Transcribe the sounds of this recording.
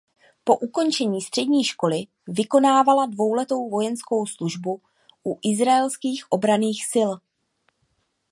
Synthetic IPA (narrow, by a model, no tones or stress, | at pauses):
po̞ʔuko̞nt͡ʃɛɲiːst̪r̥ɛdɲiːʃko̞lɪ | vɪko̞naːvaladvo̞wlɛt̪o̞wvo̞jɛnsko̞wsluʒbu | ʔuʔɪzɾaɛlskiːxʔo̞bɾaniːxsɪl